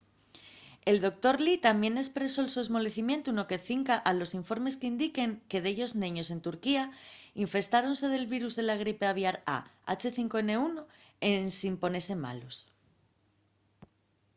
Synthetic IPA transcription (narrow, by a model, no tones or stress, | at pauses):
e̞ld̪o̞k̚t̪o̞ɾlit̪ambje̞ne̞spɾe̞so̞elsue̞zmo̞le̞θimje̞nt̪uno̞ke̞θiŋkaʔalo̞siɱfo̞ɾme̞skeind̪ike̞ŋke̞ðe̞ʝo̞znẽɲo̞s̬e̞nt̪uɾkiaiɱfe̞st̪aɾo̞nse̞ð̞e̞lβiɾuzðe̞laɣ̞ɾipe̞aβ̞jaɾa̰a̰t͡ʃe̞θiŋkoe̞ne̞uno | e̞nsimpo̞ne̞se̞ma̰lo̞s